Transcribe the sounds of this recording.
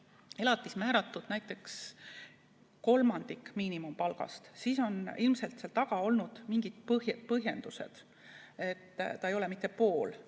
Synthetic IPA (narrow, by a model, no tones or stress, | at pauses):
e̞lɑt̪ˑːismæːɾɑt̪ːˑud̥̪næjt̪ːˑe̞ks | ko̞lmɑnd̪ikmiːnimumpɑlɡ̥ɑ̰st̪siːso̞nilmse̞lt̪selt̪ɑɡ̥ɑo̞lnud̪̥miŋɡ̥id̪̥̚pɤhjpɤɦje̞nd̪̥use̞̰d̪̥ | e̞t̪ːɑejo̞lemit̪ːˑe̞po̞ːl